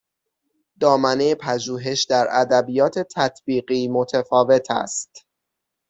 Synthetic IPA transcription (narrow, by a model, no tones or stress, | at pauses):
d̪̥ɒːmænejepʰæd͡ʒuːɦe̞ʃd̪æɾæd̪æbijɒːt̪ʰe̞t̪ʰæt̪ʰb̥iːɢiːmo̞t̪ʰefɒːve̞t̪ʰæ̰st̪